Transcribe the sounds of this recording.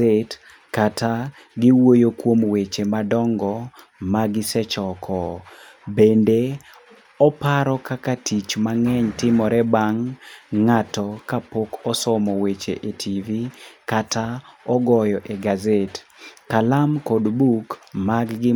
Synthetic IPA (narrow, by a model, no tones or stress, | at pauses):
et | kata | ɡɪwojokwomwet͡ʃemadɔŋɡɔ | maɡɪsɛt͡ʃɔkʰɔ | bende | ɔpaɾɔkakatʰit͡ʃmaŋɛɲtɪmɔɾɛbaŋː | atɔkapokɔsɔmɔwet͡ʃeʔetʰivikataɔɡɔjɔʔeɡazetkalamkɔdbukmaɡɡɪ